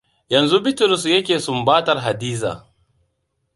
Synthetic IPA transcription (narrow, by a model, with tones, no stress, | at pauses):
jɐ˨nzu˦bɪ˦tʊ˨ɾʊ˨s̬jɐ˦kʲeː˨sʊ˦mbaː˦tɐ˨rɦa˨diː˦za̰ː˨